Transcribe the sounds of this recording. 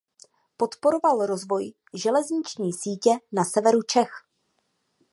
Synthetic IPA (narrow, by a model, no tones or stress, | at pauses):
po̞t̪po̞ɾo̞valɾo̞zvo̞j | ʒɛlɛzɲɪt͡ʃɲiːsiːcɛnasɛvɛɾut͡ʃɛx